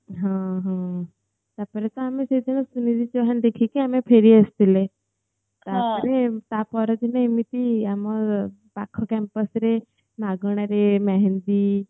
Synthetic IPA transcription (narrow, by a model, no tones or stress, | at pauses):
ɦãɦã | t̪jaɾpəɾə̃t̪əamised̪inəsunid͡zit͡ɕeʋɦand̪ekʰikiamepʰeɾiːəst̪ile | t̪jaɾpəɾet̪apɔɾət̪inaimit̪iamə | bakʰəkɛmpəsɾe | naɡəɳ̃aɾemaɦend̪iː